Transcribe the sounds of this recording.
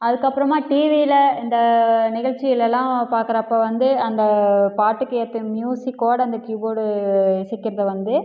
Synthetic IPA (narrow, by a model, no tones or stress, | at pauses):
ɐðɯkːɐpːɯɾɐmaːʈiːʋilɐɪnd̪ɐnɪɣɐɭt͡ʃːɪjɪlɛlːãːpaːɾkɪɾɐpːɐːʋɐnd̪ɯɐnd̪ɐpaːʈːɯkːet̪ːɯmjuːsikːoːɽɐnd̪ɐkjuːboːɽɯɪsɛkːɪɾɐðɐʋɐnd̪ɯ